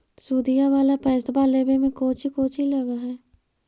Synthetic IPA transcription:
suːd̪ijaʋaːlapɛːst̪baːleːbemẽkoːt͡ʃikoːt͡ʃilɐɡaɦɛː

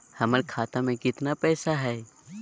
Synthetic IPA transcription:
hɐməɾkʰaːt̪amẽkɪt̪napɛːsaɦɛː

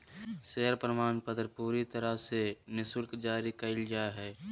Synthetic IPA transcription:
seɦəɾpɾəmaːnpət̪ɾpuːɾit̪əɾəsenɪsəlkd͡ʒaːɾikəɪld͡ʒaːeɦɛː

